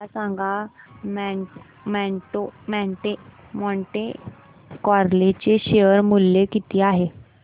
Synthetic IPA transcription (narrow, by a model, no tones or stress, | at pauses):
asãŋɡamɛ | mɛʈomɛ̃ɳʈe | mɔɳʈe | kɔɾlet͡ɕeɕeəɾmulːekit̪iːaɦe